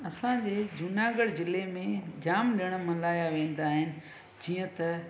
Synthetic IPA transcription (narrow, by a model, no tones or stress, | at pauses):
ɐsãd͡ʑeːd͡ʑʊnaːɡəɽzɪlemẽd͡ʑaːmɗiəɽ̃mɐlaːjaʋẽːn̆d̪aːɦɪnɪ̆ | d͡ʑiːə̃t̪ɐ